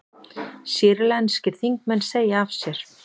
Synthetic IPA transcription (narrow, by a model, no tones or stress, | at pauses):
siːɾlɛnscɪɾ̥θiŋk̚mɛnːseːjaavsjɛɾ̥